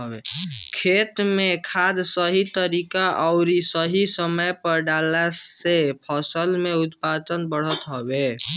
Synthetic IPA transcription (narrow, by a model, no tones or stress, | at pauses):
bḛkʰet̪mekʰad̪səɦit̪əɾikaʔəʊɾisəɦisəməjpəɾɖalasepʰəsəlmeut̪pad̪ənbəɽ̤ət̪ɦɔbe